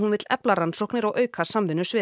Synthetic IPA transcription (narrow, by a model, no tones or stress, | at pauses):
hunvɪt̪lɛ̰plaɾansohknɪɾawʔœːɥkʰaɾ̥samvɪnːʏsvɪː